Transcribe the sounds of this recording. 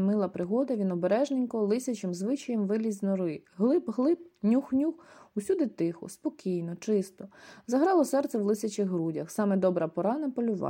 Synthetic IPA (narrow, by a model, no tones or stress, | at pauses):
mɪlˠɐpɾɪɦɔd̪ɐʋʲinɔbeɾɛʒnenʲkɔlˠɪsʲɐt͡ʃɪmzʋɪt͡ʃɐjemʋɪlʲizʲnɔɾɪɦlˠɪbɦlˠɪpnʲuxnʲuxusʲud̪ɪt̪ɪxʊ̰spɔkʲijnɔt͡ʃɪst̪ɔzɐɦɾɑlˠɔsɛrt̪sɛwlˠɪsʲɐt͡ʃɪɣɦɾudʲɐxsɑmɛd̪ɔbɾɐpɔɾɑnɐpɔlʲʊʋɑ̰